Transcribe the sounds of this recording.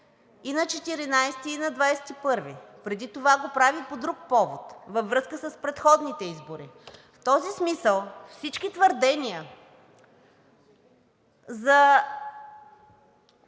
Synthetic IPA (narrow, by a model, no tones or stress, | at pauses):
inɐt͡ʃɛt̪iɾinajst̪iːnɐd̪vajsɛ̥t̪ipɤɾvipɾɛd̪it̪ovaɡopɾavipod̪ɾuk̚pɔvot̪vɐvɾɤskəsəspɾɛt̪xɔd̪nit̪ɛizboɾḭft̪ɔzismisəlˠfsit͡ʃkit̪vəɾd̪ɛniə | zɐ